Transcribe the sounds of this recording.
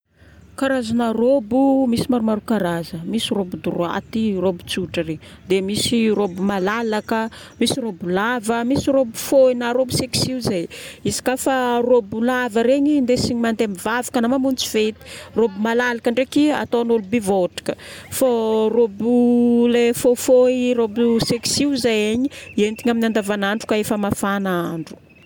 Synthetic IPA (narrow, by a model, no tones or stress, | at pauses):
kaɾazanarobumisimaɾumaɾukaɾazəmisirobud̪uɾua̰t̪irobu̥t͡suʈ͡ʂəred̪emisirobumalalakəmisirobulavəmisiɾobu̥foinaɾobuseki̥siuzajizḁkafarobulavəɾeɲind̪esiɲimand̪emivavḁkanamamunt͡si̥vet̪i̥robumalalakəɳɖ͡ʐekia̰t̪onolubivoʈ͡ʂi̥kəforobulefofoirobuseki̥siwzajeɲient̪iŋaminand̪avanaɳɖ͡ʐukaefəmafanaɳɖ͡ʐu̥